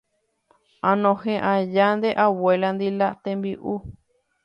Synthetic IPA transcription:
ãnõhẽʔãjand̪eʔaweland̪ilat̪embiʔu

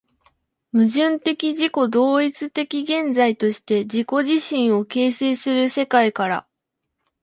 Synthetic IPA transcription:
mɯ̟ʑɨ̃nt̪e̞kʲiʑiko̞d̪o̞ːit͡sɨt̪e̞kʲiɡẽ̞nd͡zait̪o̞ɕi̥t̪e̞d͡ʑiko̞ʑiɕĩɰ̃o̞ke̞ːse̞ːsɨɾɯ̟se̞kaikaɾa̰

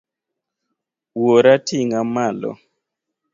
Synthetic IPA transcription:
woɾatʰiŋamalɔ̰

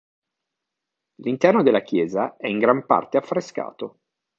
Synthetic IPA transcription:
lint̪ɛrnod̪elːak̟jɛːzaɛiŋɡɾampa̰rt̪eafːɾeska̰ːt̪o

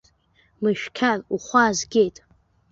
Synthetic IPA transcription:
mɨʃᶣkʲʰaruχʷazɡʲe̞jtʼ

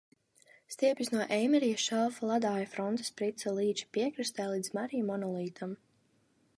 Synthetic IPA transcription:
st̪iɛpʲjisnuɔʔɛjmiɾijasʃalˠfalˠad̪aːjafɾɔnt̪ḁspɾit̪salˠiːt͡ʃi̥pʲiɛkɾist̪ɛːlˠiːd̪zmaɾijmɔnɔlˠiːt̪ʰam

